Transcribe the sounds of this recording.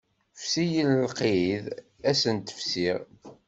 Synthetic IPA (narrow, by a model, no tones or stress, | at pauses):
fsijələlqið | æsənt̪ə̥fsiʁ